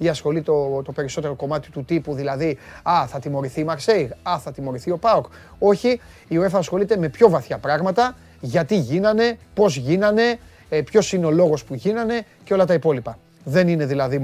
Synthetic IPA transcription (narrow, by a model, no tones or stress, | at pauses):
iɐsxo̞lit̪ot̪o̞pe̞ɾiso̞t̪e̞ɾo̞ko̞mɐt̪i̥t̪ut̪ipuðilɐðiɐθɐt̪imo̞ɾiθiːmɐkseiɣɐθɐt̪imo̞ɾiθio̞pɐok | o̞çiːoe̞fɐsxo̞lit̪e̞me̞pço̞vɐθçɐpɾɐɣmɐt̪ɐ | ʝɐt̪iʝinɐne̞po̞zʝinɐne̞ | pço̞sine̞o̞lo̞ɣo̞spuʝinɐne̞ | ceo̞lɐt̪ɐipo̞lipɐ | ðe̞nine̞ðilɐði